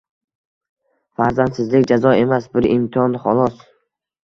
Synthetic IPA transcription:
faɾzand̪sɪzlɪkʲd͡ʒazɒe̞masbɪɾɪmt̪ʰɒnχɒlˠɒs

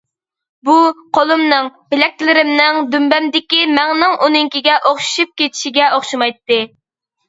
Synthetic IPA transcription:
buqʰolˠumnɨŋbɪlɛk̚ʲlɪɾɪmnɪŋd̪ymbɛmd̪ɪkʲimɛŋnɪŋʔunɪŋkʲiɡʲɛʔoχʃu̥ʃup̚kʲet̪ʰi̥ʃiɡʲɛoχʃumɑjt̪ːɨ

